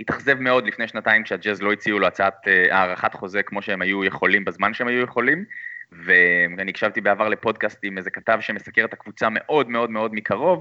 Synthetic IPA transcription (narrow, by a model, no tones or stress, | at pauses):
hitaχze̞vme̞o̞d̪lifnejʃnataimkʃead͡ʒezlo̞it͡siuloat͡saat̪eʔaːʁaχat̪χo̞zekmo̞ʃeemajujeχo̞limbezmanʃeemajujeχo̞limvemanikʃavt̪ibeavaʁle̞po̞dkast̪imezekatavʃemesakeʁet̪akvut͡same̞ʔo̞dme̞o̞dmeo̞dmikaʁo̞v